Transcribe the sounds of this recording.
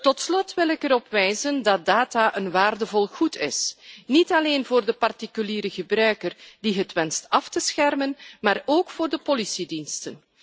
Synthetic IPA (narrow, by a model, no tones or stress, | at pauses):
tɔtslɔtʋɪlɪkəɾɔpʋɛjzəndɑt̚daːtaːʔənʋaːrdəvɔlˠɣutɪ̰snitɑleːnvoːrdəpɑrtikyliːɾəɣəbrœɥkərdiɦətʋɛnstɑftəsxɛrmənmaːroːkfoːrdəpɔlisidinstən